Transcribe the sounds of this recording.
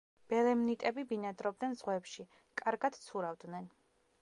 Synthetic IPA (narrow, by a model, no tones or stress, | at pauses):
b̥ɛlɛmnit̪ʼɛbibinad̪ɾɔb̚d̪nɛnzʁwɛpʃi | kʼaɾɡad̪̥t̪sʰuɾavd̪nɛn